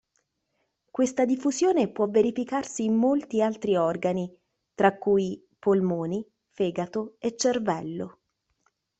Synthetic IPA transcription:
kwest̪ad̪ifːuzjoːnepwɔvːeɾifikarsiːmːolt̪ialt̪ɾiɔrɡani | t̪ɾakːuj | polmoːni | feːɡat̪oet͡ʃːervɛlːo̰

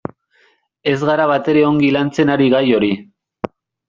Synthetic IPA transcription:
e̞zɣaɾaβat̪e̞ɾe̞o̞ŋɡilant͡se̞naɾiɣajo̞ɾi

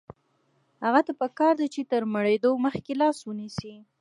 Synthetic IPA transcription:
haɣat̪apəkɑɾd̪at͡ʃet̪əɾməɽed̪oməxkelɑswənisi

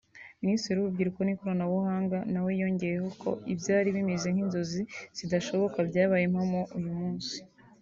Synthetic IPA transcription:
ministɾeɾuβubɡiɾukonikoɾanawuhaːŋɡanawejo̞ɲɟe̞jeho̞kʰo̞̰ibjaːɾiβimize̞ŋ̥hinzo̞ziz̥idaʃo̞βo̞kabjaːβajemhamo̞ʔujumuːnsi̥

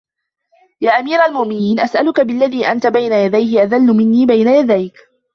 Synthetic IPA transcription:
jaːʔamiːɾalmʊʔmɪniːnʔasʔalʊkabɪlːaðiːʔant̪abajnajad̪ajɦɪʔaðalːʊmɪnːiːbajnajad̪ajk

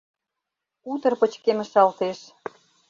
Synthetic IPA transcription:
ut̪ə̆rpə̆t͡ɕkemə̆ʃɑlt̪eʃ

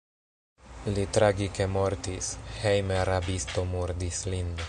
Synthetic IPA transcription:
lit̪ɾaɡikemoɾt̪ishejmeaɾabist̪omuɾd̪islind̪o

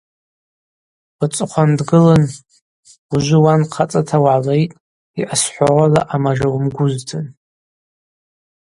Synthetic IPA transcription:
bɨt͡sʼɨqʷʰandɡɨlɨn | uʒʷɪwanqʰat͡sʼatʰawʕalejtʼ | iʔasħʷaʕʷalaʔamaʒawmɡʷʊztʰɨn

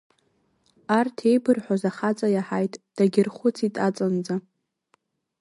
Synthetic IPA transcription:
artʰejbɨrħʷazaχat͡sʼajaħajtʼd̥aɡʲɪrχʷʊt͡sʰitʼat͡sʼand͡za

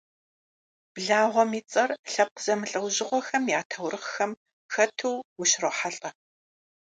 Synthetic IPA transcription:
b̥ɮaːʁʷɔmiːt͡sʼɐrɬɐp̚qəz̥ɐmɨɬʼɐwʑɪʁʷɔxɐmjaːtʰɐwrɨχxɐm | xɐtʰɨwwʊɕroħaɬʼɐ

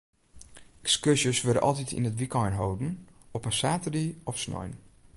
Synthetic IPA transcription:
ɛkskøsjəsʋødə̰ʔɔ̰lˠtitʰḭnətʋikɔjnɦowdn̩ɔpənsaːtədiɔfsnɔ̰jn

